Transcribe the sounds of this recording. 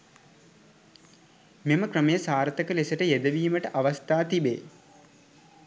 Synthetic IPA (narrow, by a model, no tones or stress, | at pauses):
meməkɾəməjəsaːɾt̪əkəlesəʈəjed̪əʋiːməʈəʔaʋast̪aːt̪ibḛː